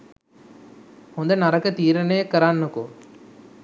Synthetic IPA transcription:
ɔnd̪ɐnɐɾɐkːɐt̪iːɾɐnekːɐɾaːnːɯkːo

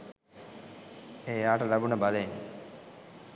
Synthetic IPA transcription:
eːjaːʈəlabunəbaleiŋ

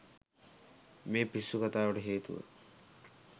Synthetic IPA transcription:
meːpisːukat̪aːʋəʈəɦeːt̪uʋə̰

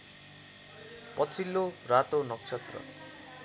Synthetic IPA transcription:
pʌt͡sʰilːorat̪onʌkt͡sʰʌt̪rʌ̰

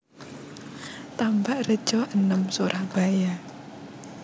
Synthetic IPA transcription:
t̪ambaʔrə̥ʒ̥ɔhənəmsoɾʔahb̥aja

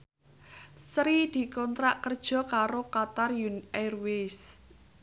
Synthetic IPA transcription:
sɾid̪̥i̤kɔnt̪ɾaʔkərd̥ʒ̥ɔ̤kaɾokat̪arjunɛrwes

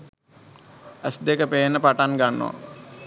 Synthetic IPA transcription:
æsd̪ekəpeːnːəpaʈanɡanːo̰a̰

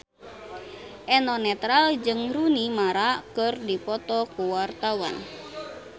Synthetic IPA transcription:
ʔɛnɔnɛt̪ɾald͡ʒɨŋɾunimaɾakɨrdipɔt̪ɔkuwart̪awa̰n

